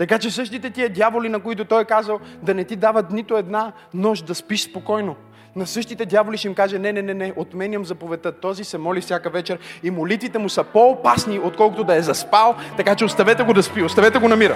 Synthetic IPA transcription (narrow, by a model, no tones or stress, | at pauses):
t̪ɐkat͡ʃɛsɤʃt̪it̪ɛt̪iəd̪javolinɐkoit̪ʊt̪ɔjɛkazəlˠd̪ɐnɛt̪id̪avɐt̪nit̪ʊɛd̪na | nɔʒd̪ɐspiʃspokɔjno | nɐsɤʃt̪it̪ɛd̪javoliʃɛimkaʒɛnɛnɛnɛnɛʔot̪mɛnʲɐmzɐpovɛt̪ət̪ɔzisɛmɔlifsʲjakəvɛt͡ʃɛɾimolit̪vit̪ɛmusəpoːpasniot̪̚kɔlˠkʊt̪od̪ɐɛzɐspalˠt̪ɐkat͡ʃɛost̪ɐvɛt̪ɛɡod̪ɐspiost̪ɐvɛt̪ɛɡonɐmiɾə̰